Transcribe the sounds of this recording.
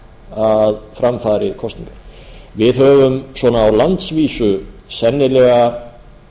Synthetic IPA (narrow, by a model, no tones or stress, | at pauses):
aðfɾamfaːɾɪkʰɔst̪iŋkḁɾ̥vɪðɦœːvʏmswɔːnaːwlant̪sviːsʏsɛnːɪlɛːɣa